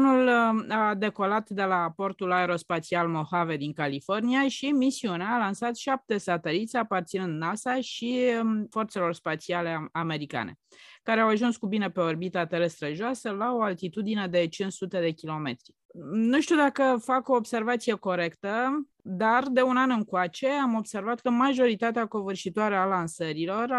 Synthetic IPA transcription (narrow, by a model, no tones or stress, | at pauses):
nulad̪e̞ko̞lat̪d̪e̞lapo̞rt̪ulaeɾo̞spat̪sialmo̞have̞d̪iŋkalifo̞rniaʃimisiuneːlansat̪ʃap̚t̪e̞sat̪e̞lit̪sʲapart̪sinɨnd̪nasaʃifo̞rt̪se̞lo̞rspat̪siale̞ame̞ɾika̰nʔe̞̰ | kaɾeawaʒunskubine̞pe̞orbit̪at̪e̞ɾest̪ɾəʒoasəlao̞alt̪it̪ud̪ine̞d̪e̞t͡ʃinsut̪e̞d̪e̞kʲilo̞me̞t̪ɾi | nuʃt̪ud̪akəfako̞ːbse̞rvat̪sije̞ko̞ɾe̞kt̪ə | d̪ard̪e̞unanɨŋkoat͡ʃe̞amo̞bse̞rvat̪kəmaʒo̞ɾit̪at̪eako̞vɨrʃit̪oaɾealansəɾilo̞r